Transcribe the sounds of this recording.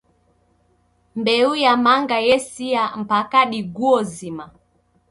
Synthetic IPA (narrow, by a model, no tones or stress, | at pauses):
mbɛujamaŋɡajɛsiam̩pakaɗiɡuɔzima